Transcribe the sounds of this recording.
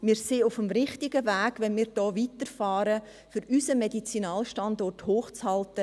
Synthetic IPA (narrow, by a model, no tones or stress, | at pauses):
mɪːɾseːʊfəmɾɪχtɪɡəvæːɡ̥ʋɛnmiːɾd̥ɔːʋitəɾfɑːɾə | fʏɾysəmɛdit͡sinɑːlʃtɑndɔrthoːχt͡shɑltə